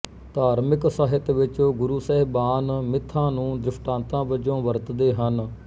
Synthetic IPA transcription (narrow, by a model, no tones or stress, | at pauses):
t̪aːɾmɪksaːɦɪt̪ʋɪt͡ʃːɡʊɾuːsɛːɦbaːnmɪt̪ʰːãːnũːd̪ɾɪpʰʈãːnt̪ãːbəd͡ʒõːʋəɾt̪d̪eːɦən